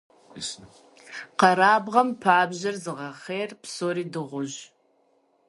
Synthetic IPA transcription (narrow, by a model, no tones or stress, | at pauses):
s | qɐɾaːbʁɐmpʰaːbʑɐrzɨʁɐχeːrpsoːɾiːdɨʁʷʊʑ